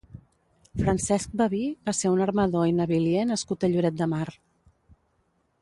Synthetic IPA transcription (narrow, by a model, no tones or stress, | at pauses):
fɾənsɛsk̚bəβiβaseunərməðoinəβiljenəskut̪əʎuɾɛt̪̚d̪əmaɾ